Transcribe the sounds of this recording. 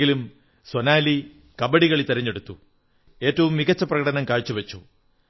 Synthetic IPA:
ɡilum | swonaːli | kɐbɐɽiɣɐɭit̪eɾɐɲːe̞ɽut̪ːu | e̞ːtːɐʋumːiɣɐt͡ɕːɐprɐɣɐʈɐnɐmkaːɻt͡ɕːuʋɐt͡ɕːu

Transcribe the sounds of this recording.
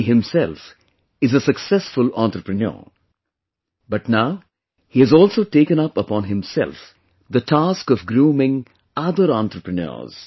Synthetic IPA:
ɦɪ̃msɛlf | ɪzəsəksɛsfʊlãnt̪ɾəpɾənə̰ː | bʌʈnaʊ | hiɨzɔːlsoːʈeːkə̃nʌpəpɔ̃ːnɦɪ̃msɛ̰lf | d̪əʈʰaskɔfɡɾũːmɪ̃ŋ | ʌd̪əɾãnt̪ɾəpɾənə̰ːz̥

